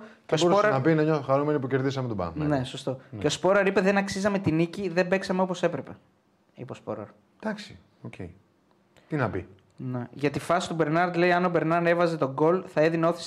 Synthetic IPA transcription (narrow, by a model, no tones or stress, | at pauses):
ceospoɾɐɐnɐbinɐɲoxɐɾumenipuceɾðis̬ɐmet̪obɐ̰mne̞so̞st̪o̞ceo̞spo̞ɾɐɾipe̞ðe̞nɐksizɐme̞t̪iniciðe̞be̞ksɐmeo̞po̞se̞pɾe̞pe̞ | ḭpespo̞̰ɾɐ̰ɾ | d̪̥ɐksi̥ | ocḛi | t̪inɐbḭ | ne̞ʝɐt̪ifɐsi̥t̪ube̞ɾnɐɾd̪le̞iɐno̞be̞ɾnɐɾne̞vɐze̞t̪o̞ɡo̞lθɐeðinɐoθis